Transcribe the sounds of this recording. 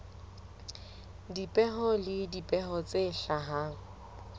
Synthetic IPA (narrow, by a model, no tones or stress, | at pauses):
dipʼɛɦɔlɪdipʼɛɦɔt͡sʼeɬaɦaːŋ̩